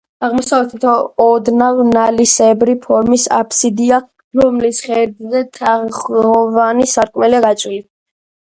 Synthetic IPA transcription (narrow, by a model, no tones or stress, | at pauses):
aʁmɔsavlɛt̪ʰit̪ʰɔːd̪navnalisɛbɾipʰɔɾmisa̰pʰsid̪ia | ɾɔmlisχɛɾd̪zɛt̪ʰaχɔvanisaɾkʼmɛliaɡat͡ʃʼwili